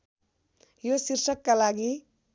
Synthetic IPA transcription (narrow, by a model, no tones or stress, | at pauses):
josiɾʃəkːalaɡi